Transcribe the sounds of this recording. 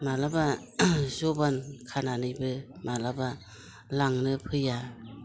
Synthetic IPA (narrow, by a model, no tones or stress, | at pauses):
malaba | zɔbankʰananɯjbɯ | malaba | laŋnɯpʰɯja